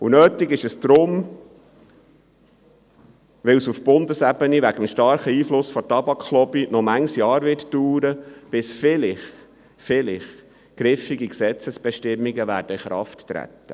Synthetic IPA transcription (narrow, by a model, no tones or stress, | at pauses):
unøːtɪɡɪʃəsd̥ɾʊm | ʋɪlsufb̥ʊndəsɛbəniʋæɡəmʃtɑɾχəiːflʊsfɔtɑbɑkχlɔbinɔmæŋsjɑːɾʋɪtduːɾəb̥ɪsfɪlɪχ | fɪlɪχ | ɡ̥ɾɪfiɡiksɛt͡səsb̥ɛʃtɪmːiɡəʋæːɾdəχɾɑ̰ftːɾæ̰t̪ːə̰